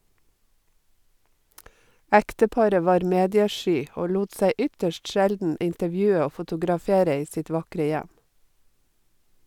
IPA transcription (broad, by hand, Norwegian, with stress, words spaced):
ˈæktəˌpɑɾə ˈʋɑːɾ ˈmeːdɪəˌʃyː ˈoː ˈluːt ˈsæɪ ˈʏtəʃʈ ˈʃældn̩ ɪntəˈʋjʉːə ˈoː fʊtʊɡɾɑˈfeːɾə ˈiː ˈsɪt ˈʋɑkɾə ˈjæm